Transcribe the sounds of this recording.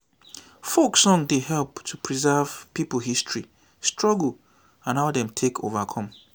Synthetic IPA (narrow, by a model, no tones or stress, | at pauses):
foksɔ̃ŋdeɦɛlptʰupʰɹizɛv̥pipəl̩ˠɦistʰɹi | stʰɹɔɡl̩ | ãnhadɛ̃mtʰekʰo̰vakʰɔ̃m